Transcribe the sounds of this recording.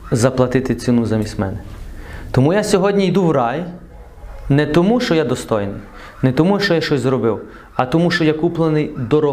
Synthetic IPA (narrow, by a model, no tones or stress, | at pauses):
zɐplˠɐt̪ɪt̪ɪt̪sʲɪnuzɐmʲisʲmɛ̰nɛt̪ɔmujasʲɔɦɔdʲnʲijd̪uwɾɑj | nɛt̪ɔmuʃt͡ʃɔjad̪ɔst̪ɔjnɪj | nɛt̪ɔmuʃt͡ʃɔjaʃt͡ʃɔsʲzɾɔbɪw | ɐt̪ɔmuʃt͡ʃɔjakuplˠenɪjd̪ɔɾɔ